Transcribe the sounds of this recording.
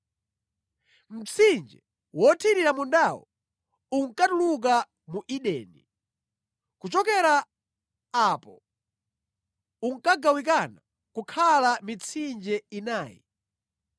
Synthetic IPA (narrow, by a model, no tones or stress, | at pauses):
m̩t͡sʰind͡ʒɛ | wɔtʰiɾiɾamundawɔ̰ | uŋ̩katuluk̬a | muʔiɗɛni | kut͡ʃɔkɛɾaː | pɔ | uŋ̩kaɡawik̬ana | kukʰalamit͡sʰind͡ʒɛinaːjḭ